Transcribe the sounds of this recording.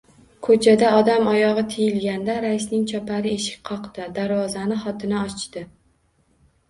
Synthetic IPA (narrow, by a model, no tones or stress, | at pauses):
kʰɵt͡ʃʰad̪aɒd̪amɒjɒʁɨt̪ʰejɪlɡʲand̪aɾaɪsnɪŋt͡ʃʰɒpʰaɾɪe̞ʃɪ̥k̚ʲqʰɒqd̪ɪd̪aɾvɒzanɪχɒt̪ʰɪnaɒt͡ʃd̪ɪ